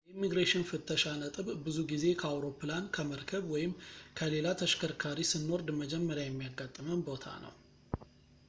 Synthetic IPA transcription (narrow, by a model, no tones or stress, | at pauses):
jɛimːiɡɾeʃɪnfɨt̪ʰːəʃanət̪ʼɨβbɨzuɡize̞kʰəawɾo̞pːɨlankʰəməɾkʰəβwɔjɪmkʰəle̞lat̪ʰəʃkʰəɾkʰaɾisɨnːo̞ɾd̪məd͡ʒɛmːəɾjajɛmːijaɡːat̪ʼːɨmənbo̞t̪ʰa̰nə̰w